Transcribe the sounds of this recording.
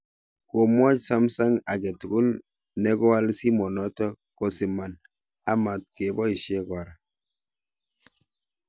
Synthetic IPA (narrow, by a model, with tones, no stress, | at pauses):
ko˨mɔ˦t͡ʃsa˦msa˦ŋa˨ɡɛ˨tu˨ɡu˦l | nɛ˦ɡɔ˦wa˦lsi˦mɔ˨nɔ˦tɔ˦ | ko˦si˨ma˨n | a˦ma˨t̚ke˨bɔ˦i˨ʃe˦kwa˨ɾa˨